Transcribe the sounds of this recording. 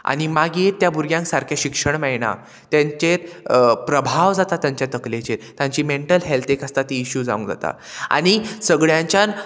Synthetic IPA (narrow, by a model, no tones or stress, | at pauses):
a̰ɽ̃imaɡjet̪ːjabuɾɡjãŋksaɾkʰjaɕikʂəɳmɛɭna̰ | t̪jãɲt͡ɕeɾpɾəbʱaʋd͡zat̪at̪ːjaɲt͡ɕjat̪əklet͡ɕeɾt̪jãɲt͡ɕiːmeɳʈəlɦelt̪ekəst̪at̪iːɕuːd͡za̰ũŋd͡za̰t̪a̰ | a̰ɽ̃isəɡɭjãɲt͡ɕjan